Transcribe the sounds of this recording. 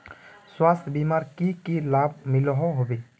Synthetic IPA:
swaːst̪ʰbimaːɾkikelaːb̚mɪlɦoɦobeː

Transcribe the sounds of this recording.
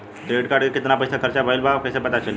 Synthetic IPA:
ʈɾeɽkaɽikit̪napəjsakəɾt͡ɕabʱailbʱakəjsapət̪at͡ɕəli

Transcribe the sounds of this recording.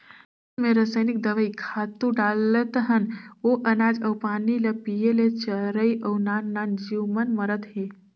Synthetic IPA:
meɾəsəjnik̚d̪əʋəjkʰat̪uɖalːət̪əɦənoʔɐnad͡ʒəwpaniləpijelet͡ɕəɾəjʔəwnanːand͡ʒiwmənməɾət̪ɦe

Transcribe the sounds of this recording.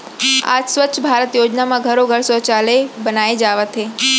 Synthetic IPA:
a̰d͡ʒsʋətːʃʰbʱaɾət̪jod͡ʒnamãɡʱəɾoɡʱəɭsət͡ʃalebənaed͡ʒaʋat̪ʰe

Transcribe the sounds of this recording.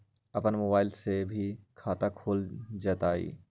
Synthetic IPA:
ɐpənmoːbaːɪlsebʱikʰaːt̪akʰoːld͡ʒaːt̪aːḭː

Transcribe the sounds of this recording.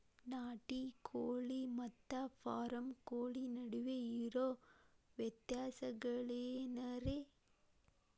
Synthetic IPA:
naːʈːikʰoːɭimɐt̪ːaːfaːɾɐmkoːɭinɐɽɯʋeiɾoːʋjɛt̪jaːsɐɣɐɭeːnɐɾe

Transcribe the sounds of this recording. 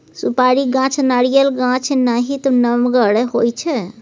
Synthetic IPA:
supaɾiɡãt͡ʃʰnaɾijəlɡãt͡ʃʰnaɦit̪ɔnəmɡəɽɛɦojt͡ʃʰɛ

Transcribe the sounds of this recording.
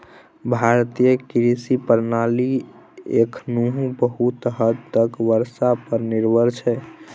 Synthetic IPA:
bʱaɾt̪ijəkiɾisipəɾnaliḛkʰnuɦũbəɦut̪ɦəd̪ːəkʋəɾsapəɾniɾbʱəɾt͡ʃʰɛ

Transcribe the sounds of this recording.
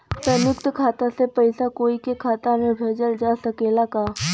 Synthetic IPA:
pɐ̃njʊkt̪kʰaːt̪ãsepɐɪsakoːikekʰaːt̪amẽbʱeːd͡ʒəld͡ʒaːsəkeːlakaː

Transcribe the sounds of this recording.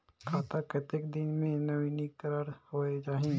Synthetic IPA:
kʰaːt̪akət̪ekd̪ɪnmẽnɐʋinikəɾaːɾhoːed͡ʒaːɦĩ

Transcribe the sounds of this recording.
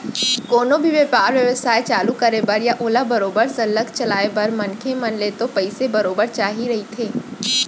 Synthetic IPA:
koːnõbʱiʋəpaːɾʋjɐʋəsaːet͡ʃaːlukəɾebɐɾjaʔoːlabɐɾoːbəɾsɐləkt͡ʃɐlaːebɐɾmɐnkʰemɐnleːt̪opɐɪsebɐɾoːbəɾt͡ʃaːɦiɾɐɦit̪ʰeː

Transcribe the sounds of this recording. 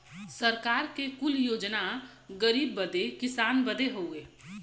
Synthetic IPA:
səɾkaɾkekuljoːd͡ʒna | ɡəɾiːbːəd̪ekɪsaːnbəd̪eɦoʊe

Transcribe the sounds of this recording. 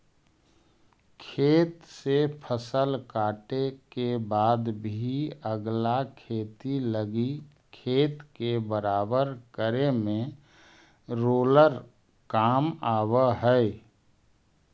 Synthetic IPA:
kʰeːt̪sepʰəsəlkaːʈekebaːd̪bʱiəɡlakʰeːt̪iləɡi | kʰeːt̪kebəɾaːbəɾkəɾemẽ | ɾoːləɾ | kaːmaːwəɦəɪ

